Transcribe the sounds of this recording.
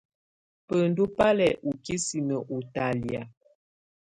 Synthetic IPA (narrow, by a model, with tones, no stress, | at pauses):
pə˨n˨du˦pa˦lɛ˨ʔu˨ki˦si˨nə˨ʔu˨ta˦li˨a̰˨